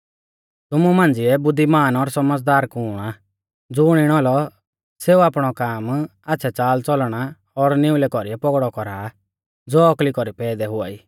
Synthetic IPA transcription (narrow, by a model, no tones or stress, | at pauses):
t̪ʊmumãːnd͡zɪɛbʊd̪ːimaːnɔɾsɔməd͡zd̪aːɾkʊːa | d͡zʊːɽ̃ɪɽ̃ɔlɔ | seːuapɽ̃ɔkaːmasʰɛt͡saːlt͡sɔlɽ̃a | ɔɾnɪʊlɛkɔɾiɛpɔɡɽɔkɔɾa | d͡zoːɔklikɔɾipɛːd̪ɛɦʊa̰ːiː